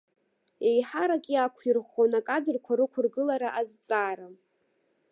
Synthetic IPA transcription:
ejħaɾakʲʼiakʷʰirχonakʼadɨrkʷʰaɾɨkʷʰʊrɡɨlaɾaʔazt͡sʼaːɾa

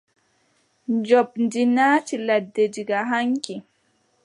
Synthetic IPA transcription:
d͡ʒɔpndinaːt͡ʃiladːed͡ʒiɡaɦaŋki

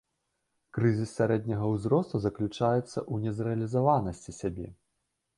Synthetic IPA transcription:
kɾɨzʲissʲaɾɛd̪ʲnʲɐɣɐwzrɔst̪uzɐklʲut͡ʂajɛt̪sːɐ̰ʔunʲɛzrɛɐlʲizavanɐsʲt͡sʲisʲabʲɛ̰

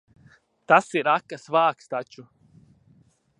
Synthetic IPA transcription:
t̪asiɾakːasvaːkst̪at͡ʃu

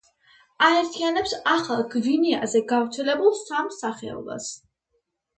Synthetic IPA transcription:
aɛɾt̪ʰianɛpsaχalˠɡviniazɛɡavɾt̪sʰɛlɛbulˠsamsaχɛ̰ɔ̰ba̰s

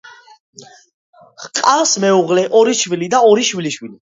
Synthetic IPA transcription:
χqʼasmɛuʁlɛʔɔɾiʃwilid̪aɔɾiʃwiliʃwili

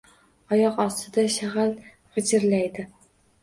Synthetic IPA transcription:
ɒjɒqɒst̪ʰɪd̪aʃaʁal | ʁɨd͡ʒɪɾlajd̪ɪ

